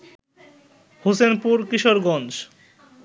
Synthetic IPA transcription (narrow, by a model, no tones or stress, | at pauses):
hosenpuɾkiʃoɾɡɔnd͡ʑ